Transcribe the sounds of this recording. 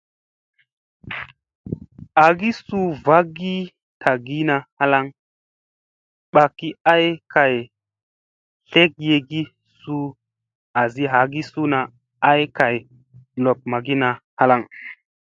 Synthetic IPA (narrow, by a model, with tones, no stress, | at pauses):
a˨ɡi˦su˦va˦ɡi˦ | tʰa˨ɡi˦na˧ha˦la˦ŋ | ɓa˨kːi˦a˦jkʰa˨j | ɬe˦k̚je˨ɡi˦ | su˦ | a˨zi˦ɦa˨˦ɡi˦su˦na˨ | a˦jka˨j | lo˨p̚ma˨ɡi˦na˨ha˦la˦ŋ